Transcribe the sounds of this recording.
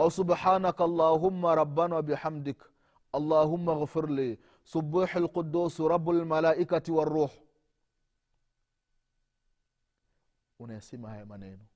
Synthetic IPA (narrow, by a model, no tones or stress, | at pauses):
ʔawsubħaːnakɑlˤːaːɦʊmːaɾˤɑbːanwabiħamdɪk | ʔɑlˤːaːɦumːaɣfɪɾliː | subuħɪlqʊdːuːsɾɑbːalmalaːʔikatiwarːuːħ | unesimahajmanḛːnu